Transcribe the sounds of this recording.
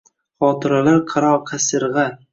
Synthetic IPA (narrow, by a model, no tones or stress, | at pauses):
χɒːt̪ʰɪɾalaɾqʰɑɾɒqʰasɪɾʁɑ